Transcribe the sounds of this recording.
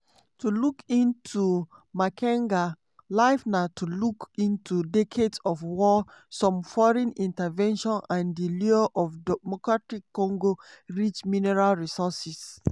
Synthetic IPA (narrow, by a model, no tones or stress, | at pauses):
tulukĩntʰumakʰɛ̃ŋɡa | laɪfnatʰulukĩntʰudɛkʰedsɔfwɔ | sɔ̃mfɔɹɛ̃nĩntavɛ̃nʃɔ̃nãndiliɔʔɔfdɛmɔkɹatikːɔ̃ŋɡoɹit͡ʃminɛɹalɹisɔsis